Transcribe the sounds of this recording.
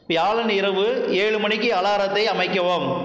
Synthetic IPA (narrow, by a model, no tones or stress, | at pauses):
ʋjaːɭɐnɪɾɐʋɯ | eːɻɯmɐɳɪkːɯɐlaːɾɐt̪ːɐɪɐmɐɪkːɐʋom